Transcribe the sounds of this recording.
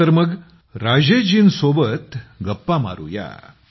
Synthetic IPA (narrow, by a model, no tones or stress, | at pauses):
əɾməɡ | ɾad͡ʑed͡ʑinsobət̪ɡəpːama̰ɾṵja̰